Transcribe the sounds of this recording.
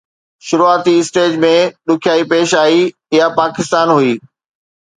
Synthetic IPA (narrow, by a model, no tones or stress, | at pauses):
ʃʊɾuaːt̪iɪsʈeːd͡ʑmẽɗʊkʰjaːipeːʃaːi | ɪjapaːkɪst̪aːnɦuiː